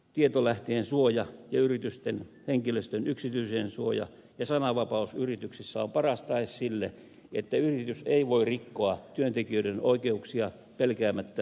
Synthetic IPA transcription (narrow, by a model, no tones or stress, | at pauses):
t̪iet̪olæht̪eːnsuojɑjɑyrit̪yst̪en | heŋkiløst̪ønyksit̪yiseːnsuojɑ̰ | jɑsɑnɑʋɑpɑusyrit̪yksisːæompɑrɑst̪ɑissilːe | et̪ːæyrit̪yseiʋoirrikːoɑt̪yønt̪ekiøidenoikeuksiɑ | pelkæːmæt̪ːæ